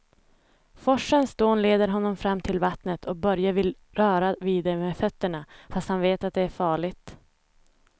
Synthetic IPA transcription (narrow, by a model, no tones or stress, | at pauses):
fɔʂːənsd̪oːnleːd̪əɾɦɔnːɔmfɾamːt̪ʰɪlvat̪nət̪ʰɔk̚bœɾjavɪl | ɾœːɾaviːd̪ɛmefœt̪ːəɳafast̪hanveːt̪at̪̚d̪ɛæɾfɑːɭɪt̪